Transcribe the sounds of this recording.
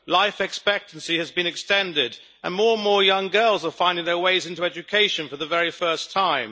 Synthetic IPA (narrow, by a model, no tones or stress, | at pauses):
laɪfɨkspɛk̚tn̩siɨzbɨ̃nɨkstɛ̃ndɪɾ | ə̃nmɔɹə̃nmɔɹjʌ̃ŋɡɜ˞lˠzə˞fãɪ̃ndɪ̃ŋðə˞weɪzɪ̃ntuɛd͡ʒɨkʰeɪʃɨ̃nfə˞ðəvɛɹifɜ˞stʰãɪ̃m